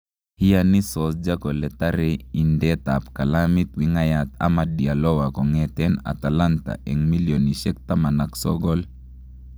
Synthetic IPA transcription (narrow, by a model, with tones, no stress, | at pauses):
hi˦jani˦sɔ˨sd͡ʒa˦kɔ˨lɛ˨t̪aɾɛi˨ndɛt̪ap̚ka˨lamit̪wi˨ŋajat̪a̰˦madi˨a˨lɔ˦wa˨kɔ˨ŋɛt̪ɛna̰˨t̪a˨lant̪a̰˨ʔɛ˨ŋmi˦ljɔni˨ʃɛk̚t̪a˦ma˨na˨ksɔ̰ɡɔl